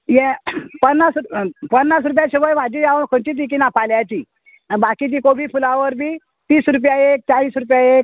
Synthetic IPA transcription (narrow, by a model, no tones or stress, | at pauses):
jɛpənːaspənːasɾup̬jaɕiʋəjʋ̤ad͡ʑid͡zaʋənkʰəɳt͡ɕiːt̪̬ik̬inapaljat͡ɕiː | bakit͡ɕiːkobʱiːfulaʋəɾbʱiː | t̪iːsɾup̬jaek̚t͡saʋiːsɾup̬jaek̚